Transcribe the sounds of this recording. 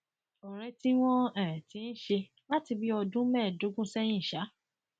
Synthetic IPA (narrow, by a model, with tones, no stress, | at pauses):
o˨ɾ̃ɛ˧ti˦w̃ɔ̃˦ɛ̃˨ɛ˨tĩ˨˧n̩˦ʃe˧ | la˦ti˧bi˦ɔ˧dũ˦mɛː˦˨do˨˦ɡũ˦sɛ˦nĩ˦˨ʃa˨˦